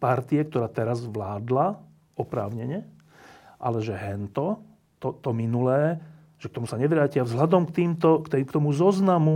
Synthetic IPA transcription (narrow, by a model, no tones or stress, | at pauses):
paɾt̪iɛk̚t̪ɔɾaːt̪ɛɾazʋlaːd̪la | ɔpɾaːʊɲɛɲɛ | ʔa̰lɛʒɛɦɛnt̪ɔ | t̪ɔt̪ɔminulɛː | ʒ̥ɛkt̪ɔmusaɲɛʋɾaːcɪavzɦlad̪ɔmkt̪iːmt̪ɔkt̪ɛkt̪ɔmuzɔznamu